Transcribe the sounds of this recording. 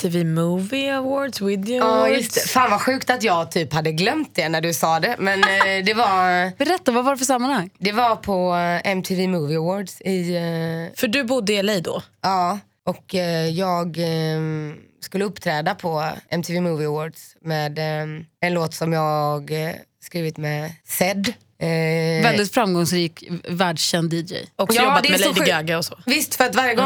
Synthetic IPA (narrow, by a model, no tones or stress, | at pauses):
t̪ʰɪvimuːvɪawoːɖswɪd̪jɑjɵst̪ɛfaːnvaɧʉ̟ːkt̪at̪jɑːɡt̪ʰyːphad̪ːəɡlœmt̪̚d̪ɛnæɖɵsɑːd̪ɛmɛnd̪ɛvaɾb̥ɛɾɛt̪ːavavaɾɛfœsamːanhaŋːd̪ɛvaɾpʰɔɛmt̪ʰɪviːmuːvɪavoːɖsɪ | fœɖɵbʊd̪ːəɪlɛjd̪ɔ̰ɑː | ʔɔkjɑːɡ | skɵlːəɵpːt̪ʰɾɛːd̪apʰɔɛ̰mt̪ʰɪːviːmuːvɪwoːɖsmeːd̪ɛnloːt̪sɔmjɑːɡɡ | skɾiːvɪt̪mɛsɛd̪ː | vɛld̪ɪt̪fɾamɡɔŋsɾiːkvæːɖʂɕɛnd̪iːd͡ʒɛ̰jɔkjjɔːad̪ɛmɛlɛd̪əɡøːɡəɔsɔvɪst̪fœɾat̪vaɾjəɡɔ